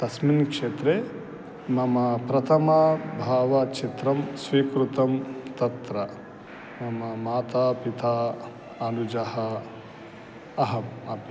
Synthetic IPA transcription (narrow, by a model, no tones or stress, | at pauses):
t̪ɐsminkʂeːt̪ɾe | mɐmɐpɾɐt̪ʰɐmɐbʱaːʋɐt͡ʃʰit̪ɾɐmsʋiːkɾut̪ɐmt̪ɐt̪ɾɐ | mɐmɐmaːt̪aːpit̪ʰaː | ɐnud͡ʒɐhɐ | ɐɦɐmɐp